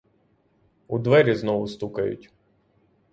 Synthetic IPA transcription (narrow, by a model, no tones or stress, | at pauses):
ud̪ʋɛɾʲiznɔʋʊst̪ukɐjʊ̰tʲ